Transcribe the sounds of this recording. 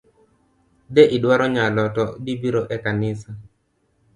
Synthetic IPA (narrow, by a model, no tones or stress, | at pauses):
deʔɪdwaɾɔɲalɔtɔbibiɾoʔɛkanɪsa